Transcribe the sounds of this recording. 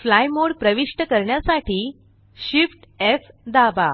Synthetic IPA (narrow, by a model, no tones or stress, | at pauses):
flajmoɽpɾəʋiʂʈəkəɾɳjasaʈiː | ɕifʈefd̪aba̰